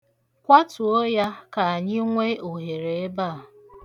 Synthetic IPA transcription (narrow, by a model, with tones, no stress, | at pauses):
kʷa˦tʊ˨o˦ja˦ka˨a˨ɲɪ˦ŋʷe˦o˨ɦe˨ɾe˨e˦ba˦˨